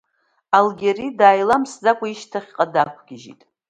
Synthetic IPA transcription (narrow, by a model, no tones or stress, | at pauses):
alɡʲeridaːjlamsd͡zakʷʼaiʃtʰaχʲqʼadakʷʰɡʲɪʒḭtʼ